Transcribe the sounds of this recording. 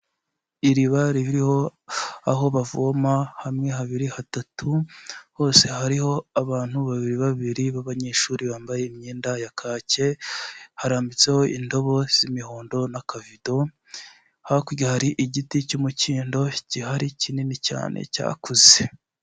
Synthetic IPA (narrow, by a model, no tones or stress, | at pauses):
iɾiβaɾiβiɾiho̞aɦo̞βavomahamŋe̞ɦaβiɾihatatʰuho̞ːse̞ɦaɾiho̞aβaːn̥huβaβiɾiβaβiɾiβaβaɲe̞ːʃuɾiβaːmbaje̞imɲiːndajakʰaːce̞haɾaːmbit͡se̞ho̞ʔindo̞βo̞z̥imihoːndo̞nakavido̞ | hakuɟahaɾiʔiɟiticumuciːndo̞cihaɾicininica̰ːnʔḛca̰ːkuze